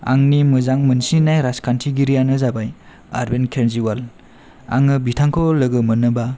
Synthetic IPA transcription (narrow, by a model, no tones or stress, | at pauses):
a̰ŋnimɯzaŋmɯnsinajɾaskʰantʰiɡiɾijanɯzabaj | a̰ɾbenkʰenziwal | a̰ŋɯbitʰaŋkʰɔlɯɡɯmɯnɯba